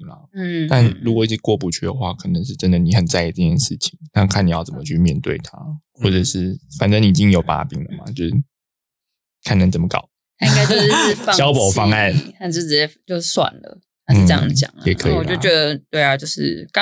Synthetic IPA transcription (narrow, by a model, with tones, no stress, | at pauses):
a˨˩˥t̪a˥˩nɻu˧˥kwɔ˨˩i˥˩i˧˥kwɔ˥˧p̬u˥˧t͡ɕʰy̰˥˩ə̰˩xwa̰˥˩kʰə˨˩nə˧˦ŋʂ̬ɻ̩˥˩ʈ͡ʂə˦nd̪ə˨ni˧˥xə˨˩nt͡sa˥ɪ˥˩ʈ͡ʂɤ˥˧t͡ɕʰjɛ˥˩nʂɻ̩˥˩t͡ɕʰi̥˨˩ŋna˥˧kʰa˥˩ni˨˩jɑ˥˩ʊt͡sə˨˩mə˦t͡ɕʰy˥˧mjɛ˥˧nt̪we˥˩ɪt̪ʰa̰˦xwɔ˥˩ʈ͡ʂə˨˩ʂɻ̩˥˩fa˨˩nd͡zə˧˦ni˨˩t͡ɕi˥˩ŋjo˨˩ʊpa̰˧˥pi˧˥ŋd̪ə˨˩ma̰˩t͡ɕjo˥˧ʊʂ̩˥˩ | kʰa˥˩ɪnə˧˦ŋt͡sə˨˩mə˦kɑ̰˨˩ʊə˦a˥ĩ˥ŋka˥ɪt͡ɕo˥˧ʂ̩˥˧˥fɕjɑ˥ʊpo˨˦fɑ˥ŋa˥˩n˨˥˩t͡s̩˨˩jɛ˥t͡ɕjo˥˧ʂ̩˥˧swa̰˨˩nlə̰˩ | a˥˩˥ja̰˨˧lə˧˩t͡ɕjɑ̰˨˩ŋjɛ˨˩kʰɤ˧˦ḭ˨wʊt͡ɕɥɛ˧˥d̪ə˧t̪we˥˩ɪə˩t͡ɕjo˥˧ʊʂɻ̩̰˥˩kɑ˦